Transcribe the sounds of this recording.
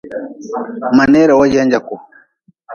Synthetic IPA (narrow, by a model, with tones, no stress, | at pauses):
ma˨nɛ˦ɾa˨wa˦d͡ʒɛ˦ɲd͡ʒa˨kɔ˨